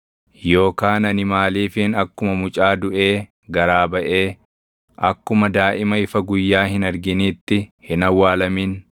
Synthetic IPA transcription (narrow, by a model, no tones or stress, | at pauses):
jo̞ːkaːnɐnɪmaːliːfɪnɐkːʊmɐmʊt͡ʃʼaːd̪ʊʔe̞ː | ɡɐɾaːbɐʔe̞ː | ʔɐkːʊmɐd̪aːʔɪmɐɪfɐɡʊjːaːhɪnɐɾɡɪniːt̪ːɪhɪnɐwːaːlɐmin